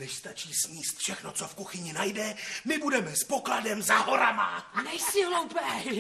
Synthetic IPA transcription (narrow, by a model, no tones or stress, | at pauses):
nɛʃst̪at͡ʃiːsmiːst̪fʃɛxno̞t͡so̞fkuxɪɲɪnajdɛmɪbudɛmɛspo̞kladɛmzaɦo̞ɾa̰ma̰nɛjsɪlowpɛj